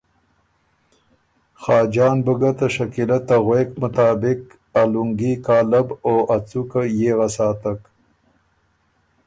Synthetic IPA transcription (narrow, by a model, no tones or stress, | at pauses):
xɑːd͡ʒɑːnbəɡat̪aʂakilat̪aɣweːkmʊt̪ɑːbɪk | aluŋɡikɑːlaboʔat͡sukajeɣasɑːt̪ak